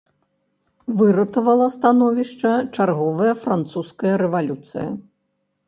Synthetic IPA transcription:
vɨɾɐt̪ɐvɐlˠɐst̪anɔvʲiʂt͡ʂɐt͡ʂarɣɔvɐjɐfɾant̪suskɐjɐɾɛvalʲut̪sɨ̰jɐ̰

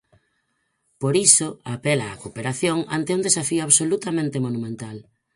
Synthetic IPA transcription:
poɾisoapelaːkopeɾaθjoŋa̰nt̪eũnd̪esafiʊaβsolut̪amẽnt̪emonumẽnt̪al

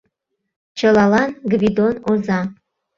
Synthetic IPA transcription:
t͡ʃʰəlɑlɑnɡvid̪onozɑ

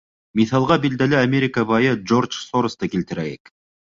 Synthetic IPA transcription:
mʲiθɑlˠʁɑbild̪ælæamʲeɾʲɪkəβɑjɤd͡ʒo̞rt͡ʃsoɾost̪ɑkilt̪ɘ̆ɾælek

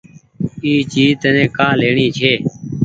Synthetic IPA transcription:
iːt͡ʃiːt̪ənẽːkãːleːɳiːt͡ʃʰeː

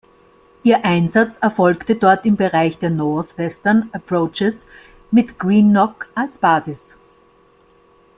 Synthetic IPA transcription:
ʔiːɐʔaɪnzat͡sɛɐfɔlktədɔɐtɪmbəʁaɪçd̥eːɐnɔɐθvɛstɐnəpʁoːt͡ʃəs | mɪtɡ̥ʁiːnːɔkalsb̥aːzɪs

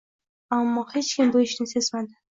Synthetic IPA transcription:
amːɒhe̞t͡ʃkʲʰɪmboɪʃnɪsezmad̪ɪ

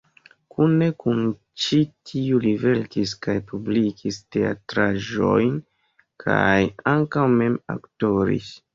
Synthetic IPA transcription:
kunekun | t͡ʃitʰiulive̞ltiskajpublikiste̞a̰tɾaʒo̞̰jn | kʰa̰jaŋkawme̞ma̰kto̞ɾḭs

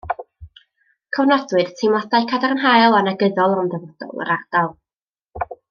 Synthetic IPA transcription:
kʰɔwnadwɨð̥tʰejmlˠadajkʰadarnɦajlˠanaɡəðɔlˠɔnðɛvɔd̥ɔ̰lˠə̰ɾard̥alˠ

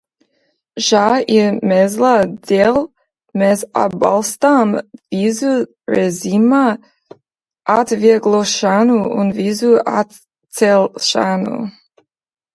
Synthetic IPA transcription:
ʒaimɛzladel | mɛza̰balstamvizu | ɹɛzima | ʔatviəɡloʃanuʊ̰nvizua̰t | t͡sːɛlʃa̰nṵ

